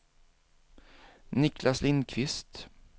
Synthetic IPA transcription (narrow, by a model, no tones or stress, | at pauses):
nɪkʰlaslɪnkʰvɪst̪